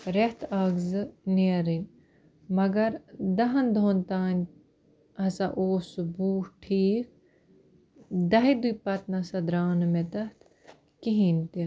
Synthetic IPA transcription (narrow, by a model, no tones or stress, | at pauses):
ɾeht̪ʰaːɡzɨneɾinʲ | mɐɡɐɾd̪ɐɦɐnd̪ʱont̪aːnʲ | ɐsaʔoːsubuːhʈʰiːk̚ | d̪ɐɦid̪ujpɐt̪nɐsɐd̪ɾaːnɨmet̪ɐt̪ʰ | kiɦinʲt̪i